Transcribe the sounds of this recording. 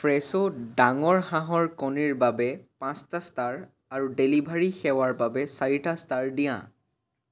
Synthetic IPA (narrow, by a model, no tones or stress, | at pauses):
fɹɛsodaŋɔɹhãɦɔɹkɔniɹbabɛpãstastaɹ | aɹudelibʱaɹixɛwaɹbabɛsaɹitastaɹdijã̰